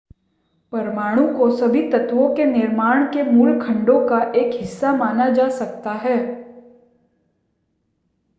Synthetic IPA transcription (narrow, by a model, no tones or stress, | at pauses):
pɐɾmaːɽ̃ũkosɐbʱit̪ɐt̪ʋõkenɪɾmaːɽ̃kemuːɾkʰɐ̃ɳɖõkaʔeːkɦɪsːamaːnad͡ʒaːsɐk̚t̪aɦɛː